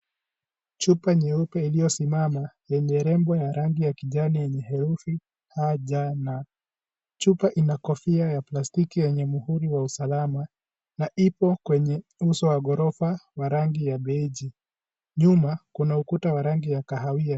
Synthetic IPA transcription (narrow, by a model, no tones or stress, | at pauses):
t͡ʃupaɲɛupɛilijɔsimamajɛɲɛɾɛmbɔjaɾaŋɡijakiʄanijɛɲɛɦɛɾufi | haʄana | t͡ʃupaʔinakɔfiajaplastikijɛɲɛmuhuɾiwausalama | naʔipɔkwɛɲɛusɔwaɡɔɾɔfawaɾaŋɡijaɓɛiʄi | ɲumakunaukutawaɾaŋɡijakaɦawia